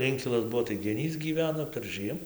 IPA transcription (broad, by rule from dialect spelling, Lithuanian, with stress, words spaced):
ˈɪŋʲkʲɪlˠɐs ˈbuɔ tɐɪ ɡʲɛˈnʲiːs ɡʲiːˈʋʲæːnoː pʲɛrˈʒɨɛm